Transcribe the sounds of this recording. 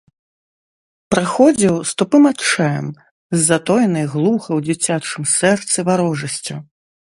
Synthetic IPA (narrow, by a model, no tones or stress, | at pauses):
pɾaxɔd͡zʲiwst̪ɔpɨmat͡ʂajɛ̰m | zʲːat̪ɔjnɐjɣlˠuxɐwd͡zʲit͡sʲat͡ʂɨmsɛrt̪sɨvaɾɔʐɐsʲt͡sʲu